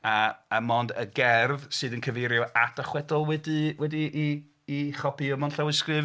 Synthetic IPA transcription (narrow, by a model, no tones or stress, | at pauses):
aəmɔndəɡɛrvsɨːðənkʰəvejɾjɔadaχwɛdɔlˠwɛdɨwɛdiʔː | χɔpʰiəmɔnɬawɪskrɨv